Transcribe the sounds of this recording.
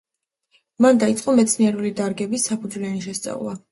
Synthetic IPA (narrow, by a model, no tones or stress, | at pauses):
mand̪ait̪sʼqʼɔmɛt̪sʰniɛɾulid̪aɾɡɛbisːapʰud̪zlɛaniʃɛst̪sʼa̰vlˠa